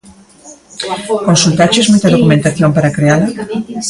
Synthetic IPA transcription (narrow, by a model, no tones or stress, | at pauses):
konsult̪at͡ʃezmujt̪aðokumẽnt̪aθjompaɾakɾeaðɐ